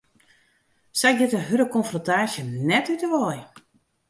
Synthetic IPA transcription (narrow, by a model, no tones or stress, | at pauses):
sɛjk̚dɪtəɦøɾəkɔnfrɔntaːsjənɛtytəʋɔj